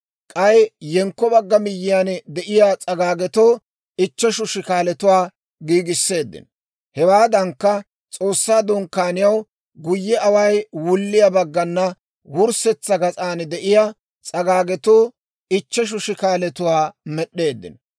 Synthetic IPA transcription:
kʼɐjjɛŋkːɔbɐɡːɐmɪjːɪjand̪ɛʔɪjat͡sʼɐɡaːɡɛt̪oː | ɪt͡ʃːɛʃʊʃɪkaːlɛt̪ʊwaː | ɡiːɡɪsːe̞ːd̪ːɪ̰n | hɛwaːd̪ɐŋkːɐ | t͡sʼo̞ːsːaːd̪ɔŋkːaːnɪjɐw | ɡʊjːɛɐwɐjwʊlːɪjɐbɐɡːɐnːɐ | wʊɾsɛt͡sːɐɡɐt͡sʼaːnd̪ɛʔɪja | t͡sʼɐɡaːɡɛt̪oː | ɪt͡ʃːɛʃ̬ʊʃɪkaːlɛt̪ʊwaːmɛɗːe̞ːd̪ːɪ̰n

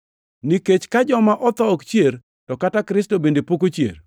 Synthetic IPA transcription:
niket͡ʃkad͡ʒɔmaʔɔt̪ɔɔkt͡ʃjer | tɔkatakɾɪstobendepokot͡ʃjḛr

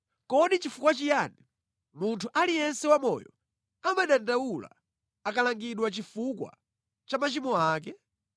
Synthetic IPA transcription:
kɔɗit͡ʃifukwat͡ʃijani | muntʰuʔalijɛnsɛwamɔ̰jɔ | amaɗandawula̰ | akalaŋɡiɗwat͡ʃifukwa̰ | t͡ʃamat͡ʃimɔaːk̬ɛ

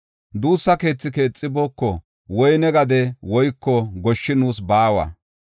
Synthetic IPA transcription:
d̪uːsːɐke̞ːt͡sːɪke̞ːt͡sʼːɪboːkːɔ | wɔjnɛɡɐd̪ɛwɔjkːɔɡɔʃːɪnuːsbaːwɐ̰

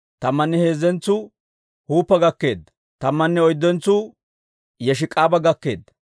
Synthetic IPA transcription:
t̪ɐmːɐnːɛhe̞ːzɛnt͡sːu | huːpːɐɡɐkːe̞̰ːd̪ɐ | t̪ɐmːɐnːɛɔjd̪ːɔnt͡sːu | jɛʃ̬ɪkʼaːbɐɡɐkːe̞̰ːd̪ːɐ

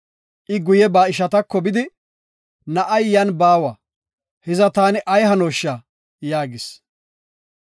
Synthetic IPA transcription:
ʔɪɡʊjɛbaːɪʃɐt̪ɐkːɔbɪd̪ɪ | nɐʔɐjːɐnbaːwɐ | hɛzɐt̪aːnɪʔɐjɦɐnoːʃːa | jaːɡɪs

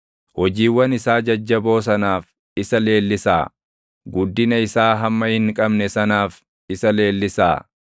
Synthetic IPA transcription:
hɔd͡ʒiːwːɐnɪsaːd͡ʒɐd͡ʒːɐbo̞ːs̬ɐnaːf | ɪsɐle̞ːlːɪsaː | ɡʊd̪ːɪnɐɪsaːɦɐmːɐhɪŋkʼɐbnɛsɐnaːf | ɪsɐle̞ːlːɪsa̰ː

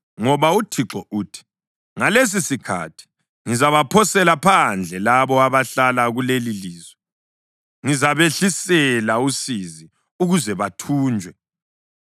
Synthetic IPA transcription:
ŋɔβautʰiǁɔʔuːtʰi̥ | ŋales̬isikʰa̰tʰi̥ | ŋizaβapʰɔsɛlapʰand͡ɮʱɛlaβɔaβaɬalaɣuleliliːzwɛ | ŋizaβeɬisɛlausizi | uɣuzɛβatʰuːnd͡ʒʱwɛ

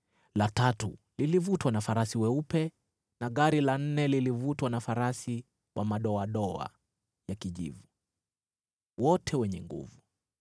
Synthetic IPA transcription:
latatṵlilivutwanafaɾasiwɛupɛ | naɠaɾilan̩nɛlilivutwanafaɾasi | wʔamaɗɔaɗɔa̰ | jakiʄḭvu | wɔtʰɛwɛɲɛŋɡṵvu

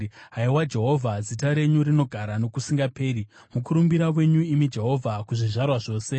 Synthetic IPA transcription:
ɦaiwad͡ʒe̞ɦo̞vʱazitaɾe̞ɲuɾino̞ɡʱaɾano̞kusiŋɡape̞ːɾi | mukuɾumbiɾawe̞ɲuimid͡ʒe̞ɦo̞vʱakuʐiʐarwaʐo̞ːse̞

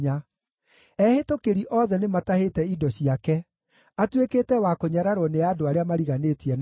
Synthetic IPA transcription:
a | ɛhetokeɾiʔɔːðɛnematahetɛidɔɕiakɛ | atweketɛwakoɲaɾaɾɔneaːdoaɾeamaɾiɣanetiɛn

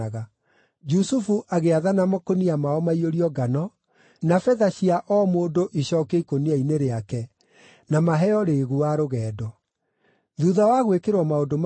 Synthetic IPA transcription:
aɣa | d͡ʒusufuʔaɣeaðanamɔkoniamaɔmaioɾiɔɡanɔ | nafɛðaɕiaʔɔmoːdoʔiɕɔːkeikoniaineɾeakɛ | namaɦɛɔɾeɣuaɾoɣɛːdɔ | ðuðawaɣwekeɾwɔmaodom

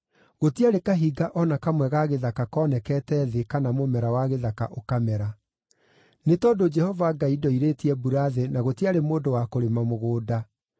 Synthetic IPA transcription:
ɣotiaɾekaɦiɡaʔɔnakamwɛɣaɣeðakakɔːnɛkɛtɛðekanamomɛɾawaɣeðaka̰ʔokamɛɾa | netɔːdod͡ʒɛhɔvaɡaidɔiɾetiɛbuɾaðenaɣotiaɾemoːdowakoɾemamoɣoːda

